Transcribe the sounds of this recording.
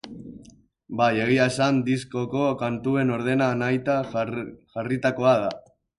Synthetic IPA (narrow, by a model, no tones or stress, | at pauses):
baje̞ɣ̞iaesand̪isko̞ko̞kant̪ue̞no̞ɾð̞e̞nanajt̪a | ʝarit̪ako̞aða